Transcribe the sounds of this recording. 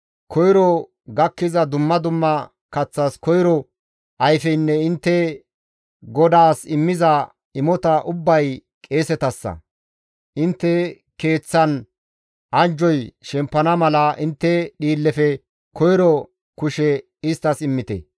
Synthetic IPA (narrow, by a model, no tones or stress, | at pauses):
kʰɔjɾɔ | ɡɐkːɪzɐd̪ʊmːɐd̪ʊmːɐ | kɐt͡sːɐskɔjɾɔ | ɐjfɛjnːɛɪnt̪ːɛ | ɡɔd̪aːsɪmːɪzɐ | ɪmɔt̪ɐʔʊbːɐj | kʼe̞ːsɛt̪ɐsːɐ̰ | ʔɪnt̪ːɛ | ke̞ːt͡sːɐn | ɐnd͡ʒɔjʃɛmpːɐnɐmɐlɐʔɪnt̪ːɛɗiːlːɛfɛ | kɔjɾɔ | kʊʃɛ | ɪst̪ːɐsɪmːɪt̪ɛ̰